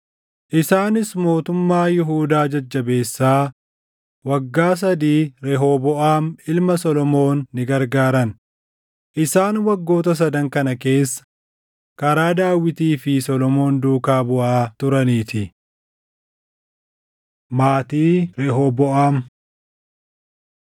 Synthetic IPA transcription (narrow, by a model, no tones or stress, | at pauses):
ʔɪsaːnɪsmo̞ːt̪ʊmːaːjɪɦuːd̪aːd͡ʒɐd͡ʒːɐbe̞ːsːaː | wɐɡːaːs̬ɐd̪iːɾɛɦoːbɔʔaːmɪlmɐsɔlɔmo̞ːnːɪɡɐɾɡaːɾɐn | ʔɪsaːnwɐɡːo̞ːt̪ɐs̬ɐd̪ɐŋkɐnɐke̞ːsːɐ̥ | kɐɾaːd̪aːwɪt̪iːfɪsɔlɔmo̞ːnd̪uːkaːbʊʔaːt̪ʊɾɐniːt̪ɪ | maːt̪iːɾɛɦɔbɔʔaːm